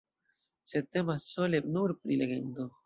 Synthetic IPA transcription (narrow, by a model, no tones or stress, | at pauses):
sed̪̚t̪emasːolenuɾpɾileɡḛnd̪o